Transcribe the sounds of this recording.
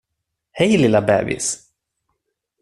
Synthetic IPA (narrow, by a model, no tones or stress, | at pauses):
hɛjlɪlabɛ̰ːvɪ̰s